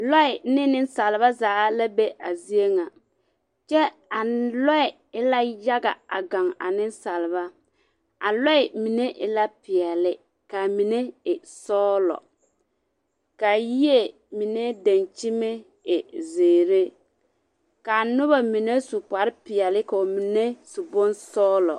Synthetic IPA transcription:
lɔ˦ɪ˨nɪ˦nɪ˦n˦sa˨lɪ˨βa˦zaː˨˦la˦be˦ʔa˨zi˦e˦ŋa˨ | t͡ʃɛ˦ | a˨lɔ˦ɪ˨ | ɪ˦la˦ja˦ɡa̰˨a̰˨ɡa˨ŋa̰˨nɪ˦n˦sa˨lɪ˨βa˦ | a˨lɔ˦ɪ˨mi˨ne˦ʔɪ˨la˦pɪ˨ɛ˨lɪ˦ | ka˨mi˨ne˦ɪ˨sɔː˦lɔ̰˨ | ka˨ji˦e˦ | mi˨ne˦da˨nt͡ʃi˦me˦ | ɪ˨zeː˨ɾe˦ | ka˨nʊ˦βa˨mi˨ne˦sʊ˨pa˨ɾɪ˦pɪ˨ɛ˨lɪ˦ka˨o˨mi˨ne˦su˨bo˦nsɔː˦lɔ̰˨

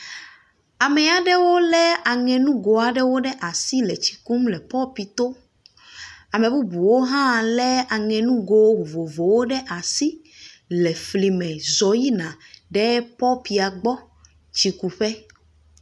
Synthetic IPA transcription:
a˨mɛ̃˨˦a˨ɖɛ˦wo˦lɛ˦a˨ŋɛ̃˨nũ˦ɡo˨a˨ɖɛ˦wo˦ɖɛ˦ʔa˨si˦lɛ˨t͡ɕi̥˨ku˦mlɛ˨pɔ˦pi˨t̪o˦ | a˨mɛ̃˨bu˦bu˨wo˦ɦã˦˨lɛ˦a˨ŋɛ̃˨nũ˦ɡo˨˦o˨vo˨vo˨wo˦ɖɛ˦ʔa˨si˦ | lɛ˨fli˨mɛ̃˨zɔ˨ji˦nã˨ɖɛ˦pɔ˦pi˨a˨ɡ͡bɔ˦ | t͡ɕi˨ku˨ɸɛ˦

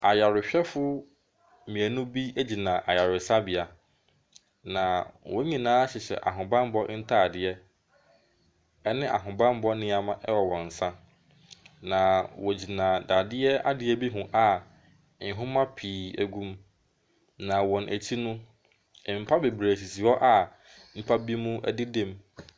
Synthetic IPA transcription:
a˨ja˨ɾʊ˨ɕᶣɛ˦fʊ˦ | mĩ˨æ˨nʊ̃˦bi˦æ˦d͡ʑi˨nãː˨ʔa˨ja˨ɾʊ˨sa˦bɪ˨a˨ | nã˨wʔɔ̃˦ɲĩ˨nãː˨˦a˦ɕɪ˨ɕɛ̰˨ʔa̰˨ɦʊ̃˨bã˦m˦bɔ˦n̩˦tʰa˦a˨dɪ˦ɛ˦ | ɛ˦nɪ̃˦ʔa̰˨ɦʊ̃˨bã˦m˦bɔ˦nɪ̃˦a˨mã˦ʔɛ˦wɔ˨wɔ̃˨n̩˨sã˦ | nã˨wɔ˨d͡ʑi˨nãː˨da˨dɪ˦ɛ˦a̰˦dɪ˦ɛ˦bi˦ɦʊ̃˨ʔa˨˦ | ɪ̃˨ɦʊ̃˦mã˦pʰiː˨æ˨ɡũ˦m | nã˨wɔ̃˨nʔæ˨t͡ɕʰi˦nʊ̃˦˨ | m̩˨pʰa˦be˨bɾe˨si˨si˨ɔ˦ʔa˨ | m̩˦pʰa˦bi˦mũ˦æ̰˦dɪ˦dẽ˦m

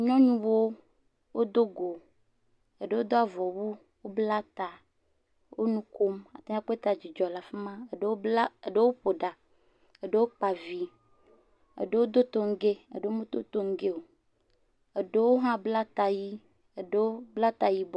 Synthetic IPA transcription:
ɲɔ̃˦ɲũ˦wo˦ | wo˦d̪o˦ɡo˨ | e˨ɖe˨˦wo˦d̪o˦a˨vɔ˨wu˦ | wo˦bla˦t̪a˨ | wo̰˦nũ˦ko˦ma˨t̪a˦ã˦k͡pe˦t̪a˨d͡ʑi˨d͡ʒɔ˨la˨fe˦mã˦˨˦e˨ɖe˦wo˦ɸo˨ɖa˨ | e˨ɖe˦wo˦k͡pa˨vi˨ | ḛ˨ɖe˦wo˦d̪o˦t̪o˦ŋ̩˦ɡe˦ḛ˨ɖe˨wo˦mẽ˦t̪o̰˦t̪o˦ŋ̩˦ɡe˦wo˨ | e˨ɖe˦wo˦ɦã˦bla˦t̪a˨ji˦ | e˨ɖe˦wo˦bla˦t̪a˨ji˦b

